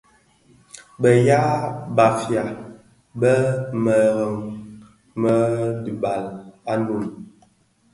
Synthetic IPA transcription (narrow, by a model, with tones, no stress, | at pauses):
bə˨ja˦ba˨fja˨ | bə˦mə˨ɣə˨ŋ | mə˦di˨ba˨la˦ndu˨m